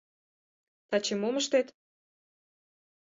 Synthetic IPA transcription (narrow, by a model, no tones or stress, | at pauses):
t̪ɑt͡ɕemoməʃt̪et̪